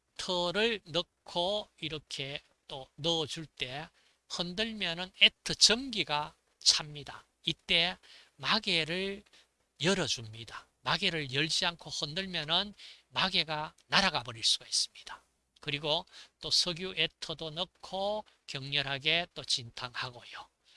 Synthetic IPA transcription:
tʰʌɾɯɭnʌkʰoiɾʌkʰe̞ | t͈onʌːd͡ʑuɭt͈e̞ | hʌndɯɭmjʌnɯnetʰɯt͡ɕʌŋɡiɡa | t͡ɕʰamɲida̰ | it͈e̞maɡe̞ɾɯɭ | jʌɾʌd͡ʑumɲida | maɡe̞ɾɯɭjʌɭd͡ʑiankʰohʌndɯɭmjʌnɯnmaɡe̞ɡanaɾaɡabʌɾiɭs͈uɡais͈ɯ̥mɲid̥ḁ | kɯɾiɡot͈osʰʌɡjuʔetʰʌdonʌkʰːo | kjʌŋɲʌɾɦaɡe̞t͈ot͡ɕintʰaŋhaɡojo

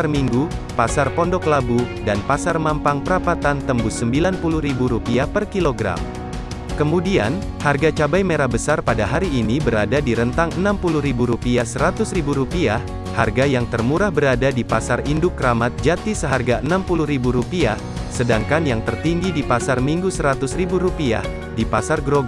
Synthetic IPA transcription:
rmiŋɡupasarpɔndɔklabudanpasarmampaŋpəɾapat̪ant̪əmbʊsəmbilanpuluhɾibuɾupiahpərkiloɡɾa̰m | kəmudia̰n | harɡat͡ʃabajmeɾahbəsarpadaɦaɾiːnibəɾadadiɾənt̪aŋənampuluhɾibuɾupiahsəɾat̪ʊsribuɾupiah | ha̰rɡajaŋt̪ərmuɾahbəɾadadipasarindʊkːəɾamat̪̚d͡ʒat̪isəɦarɡaənampuluhɾibuɾupiah | sədaŋkanjaŋt̪ərt̪iŋɡidipasarmiŋɡusəɾat̪ʊsribuɾupia̰h | dipasarɡɾoɡ

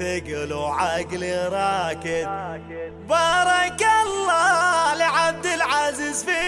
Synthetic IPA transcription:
ɪɡloʕaɡlɪɾˤɑkɪd̪̚ | bɑɾˤɑkalːɑlɪʕab̚d̪ɪlʕaziːzfi

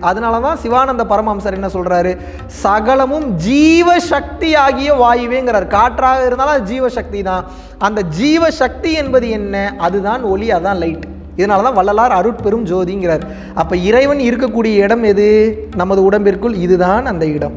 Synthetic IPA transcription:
ɐðɐnaːlɐt̪ãːsɪʋaːnɐnd̪ɐpɐɾɐmaːmsaːɾɛnːɐsɔlɾaːɾɯ | sɐɣɐɭɐmɯmd͡ʒiːʋɐʃɐk̚t̪iaːɣɪjɐʋaːjɪʋeːŋɡɪɾaːɾɯkaːʈːɾaːɣɐɪɾɯnd̪aːlɐnd̪ɐd͡ʒiːʋɐʂɐk̚t̪iðãː | ɐnd̪ɐd͡ʒiːʋɐʂɐk̚t̪iɛnbɐðɯɛnːɐʔɐðɯðãːnɔɭiɐðɯðãːlɐɪʈːɯ | ɪðɐnaːlɐt̪ãːʋɐɭːɐlaːɾɐɾɯʈpɛɾɯmd͡ʒoːðɪjŋɡɪɾaːɾɯ | ɐpːɐːɪɾɐɪʋɐnɪɾɯk̬ːɐk̬ːuːɽɪjɐɪɽɐmɛðɯnɐmːɐðɯʊɽɐmbɪrkɯɭɪðɯðãːnɐnd̪ɐɪɽɐm

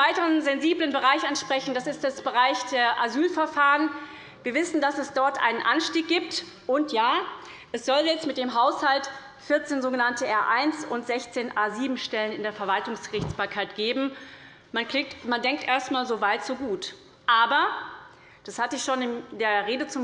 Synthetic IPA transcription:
aɪtəʁənzɛnziːblənbəʁaɪçʔanʃpʁ̥ɛçn̩d̥asɪstd̥asb̥əʁaɪçd̥eːɐʔazyːlfɛɐfaːʁən | viːɐvɪsn̩dasɛsd̥ɔɐtʔa̰ɪnənʔa̰nʃtiːk̚ɡ̥iːp̚t | ʔʊntjaː | ʔɛsz̥ɔljɛt͡stmɪt̚d̥eːmɦaʊshalt | fɪɐt͡seːnzoːɡənantəʔɛɐʔaɪnsʊntz̥ɛçt͡seːnʔaːziːbm̩ʃtɛlənɪndeːɐfɛɐvaltʊŋsɡ̥əʁɪçt͡sb̥aːɐkʰaɪtɡ̥eːbm̩ | manklɪtmandɛŋk̚tʔeːɐstmaːlzovaɪtz̥oːɡuːt | ʔaːbɐ | d̥ashatəɪçʃoːnɪndeːɐʁeːdət͡sʊm

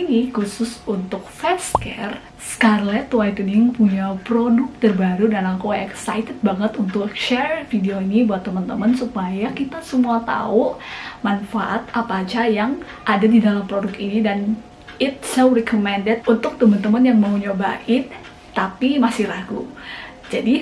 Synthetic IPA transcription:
inikusʊsunt̪ʊk̚fɛskɛr | skarlɛt̪uwait̪uniŋpuɲapɾodʊk̚t̪ərbaɾudanaŋkoɛksa̰jt̪ɛt̪̚baŋət̪unt̪ʊkkʃɛrfideoinibuat̪ːəmənt̪əmənsupajakit̪asəmuat̪a̰ʊmanfaʔat̪̚apaːt͡ʃajaŋ | ʔadadidalampɾodʊkinidan | ɪt̪̚sowrɛkʰomɛndɛt̪̚unt̪ʊk̚t̪əmənt̪əmənjaŋmauɲoba̰ʔɪt̪ː | apimasɪhɾaɡu | d͡ʒadi

